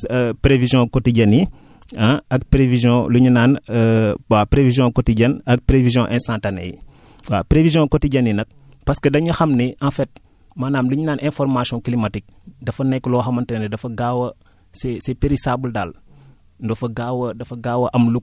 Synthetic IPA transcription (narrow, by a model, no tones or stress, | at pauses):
pɾevizjɔ̃kɔtiɟɐni | ɐɐk̚pɾevizjɔ̃luɲunaːn | apɾevizjɔ̃kɔtiɟɐnɐk̚pɾevizjɔ̃ʔɛ̃nstãntanɛ̰j | wapɾevizjɔ̃kɔtiɟɐnːinɐk̚ | pɐskədɐɲuxɐmniʔãfɛt̚ | manaːmluɲunaːnʔɛ̃fɔrmasijɔ̃klimɐtik̚dɐfɐnɛkːlɔːxɐmɐntɐnɛdɐfɐɡawɐ | sɛsɛpeɾisaːbəldaːl | ndɔfɐɡawɐdɐfɐɡaːwɐʔɐmlu